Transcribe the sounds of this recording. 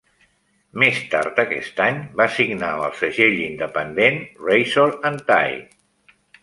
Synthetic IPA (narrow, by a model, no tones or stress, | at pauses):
mest̪a̰ɾt̪əkɛ̰st̪aɲbasiɡnaə̰lˠsəʒeʎind̪əpənd̪enrejsoɾənt̪a̰j